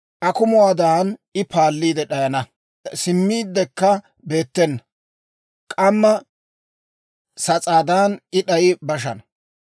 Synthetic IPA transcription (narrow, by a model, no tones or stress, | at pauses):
ʔɐkʊmʊwaːd̪aɐnɪpʰaːlːiːd̪ɛɗɐjɐnɐ | sɪmːiːd̪ːɛkːɐ | be̞ːt̪ːɛnːɐ | kʼɐmːɐ | sɐt͡sʼaːd̪aːnɪɗɐjɪbɐʃ̬ɐnɐ